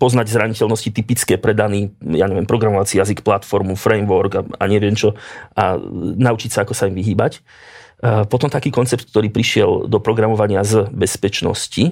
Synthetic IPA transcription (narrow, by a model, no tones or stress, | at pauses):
pɔznaɟzɾaɲicɛlnɔscit̪ipit͡skɛːpɾɛd̪aniːja̰ːɲɛʋɪɛmpɾɔɡɾamɔʋat͡sijazikplat̪fɔɾmufɾɛjmʋɔɾɡaa̰ɲɪɛʋɪɛmt͡ʃɔʔa̰naut͡ʃicsaakɔsaimʋiɦiːbac | pɔt̪ɔmt̪akiːkɔnt͡sɛp̚t̪̚k̚t̪ɔɾiːpɾiʃɪɛld̪ɔpɾɔɡɾamɔʋaɲɪazəbɛspɛt͡ʃnɔ̰sci